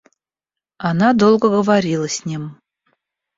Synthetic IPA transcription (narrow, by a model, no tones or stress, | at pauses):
ɑnɑd̪olˠɡəɡəvaɾʲilˠəsʲnʲim